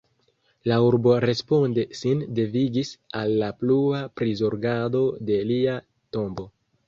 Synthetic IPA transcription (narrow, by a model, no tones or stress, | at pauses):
lauɾbo̞ɾe̞spo̞ndesinde̞viɡisalːapluapɾizoɾɡado̞de̞lia | to̞mbo̞